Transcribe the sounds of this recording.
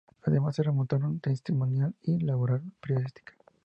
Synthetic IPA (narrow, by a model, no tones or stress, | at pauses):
aðemasːeremont̪aɾont̪enst̪imonjalilaβoɾalpeɾjoist̪i̥kḁ